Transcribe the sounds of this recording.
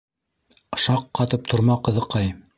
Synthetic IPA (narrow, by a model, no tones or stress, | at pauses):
ɤ̆ʃɑqːɑt̪ɤp̚t̪ʰŏɾmɑqɤ̆ðɤ̆qɑj